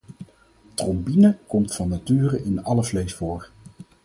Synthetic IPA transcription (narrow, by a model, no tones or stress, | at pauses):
trɔmbinəkɔmtfɑnːatyːrəʔɪnɑləvlejsfʊːɹ